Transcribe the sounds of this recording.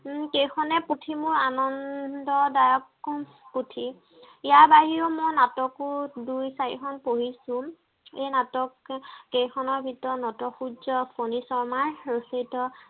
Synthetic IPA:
kejkʰɔnɛputʰimʊɹanɔndɔdajɔkːu | putʰi | ijaɹbaɦiumɔjnatɔkʊdujsajḭkʰɔnpoɦisʊ̃ | ejnatɔkːejkʰɔnɔɹbʱitɔnɔtɔxud͡ʒɔpʰonisɔɹmaɹɹosetɔ

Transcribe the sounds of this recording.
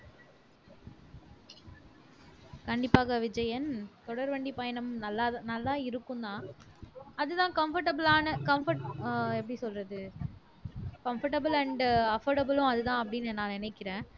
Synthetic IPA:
kɐɳɖɪpːaːɣɐʋɪd͡ʒɐjɐnt̪ɔɽɐɾʋɐɳɖipɐjɐnɐmmnɐlːaːnɐlːaːɪɾɯkːɯ̃nd̪ãː | ɐðɯt̪ãːkɐmfɐɾʈɐbɯlaːnɐkɐmfɐʈɛpːɐɽisɔlrɐðɯ | kɐmfɐʈɐbɯlɐɳɖɐfoːɾɖɐbɯlʊ̃ɐðɯt̪ãːɐpːɐɽɪnɛnaːlɪnɐɪkːɪɾẽː

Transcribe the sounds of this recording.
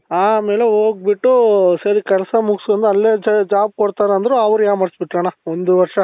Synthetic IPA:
aːme̞ːleɦoːɡ̚biʈːusɐɾikɛlɐsɐmuɡsɐnd̪ɐlːeːd͡ʒd͡ʒaːb̚koɽt̪aːɾeɐnd̪ɐɾeɐʋɾujaːmɐɽsbiʈːɾɐːɳɐond̪uʋɐɾʂɐ

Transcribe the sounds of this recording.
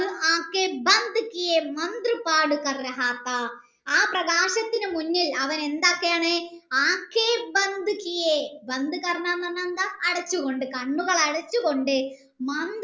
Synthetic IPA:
ɨaːkːeːbɐnd̪ʱikːijemɐnd̪rɨpaːɽukɐrɾɐɦaːt̪ːa | aːprɐɣaːɕɐt̪ːinɨmunːilɐʋɐne̞nd̪aːkːejaːɳɨ | aːkːebɐnd̪ʱukːijebɐnd̪ɨkɐrɐnaːnːɐnːɐnd̪aʔːɽɐt͡ɕːuɣo̞ɳɖɨkɐɳːuɣɐɭɐɽɐt͡ɕːuɣo̞ɳɖɨ | mɐnd̪

